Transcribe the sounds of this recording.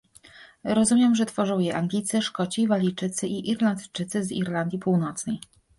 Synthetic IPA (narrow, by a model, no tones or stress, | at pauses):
ɾɔzumʲjɛmʐɛt̪fɔʐɔ̃wjɛʔaŋɡlʲit̪sɛʂkɔt͡ɕivalʲit͡ʂɘt̪sɘʔiʔiɾland̪t͡ʂɘt̪sɘzḭɾland̪ʲjipuwnɔt̪snɛj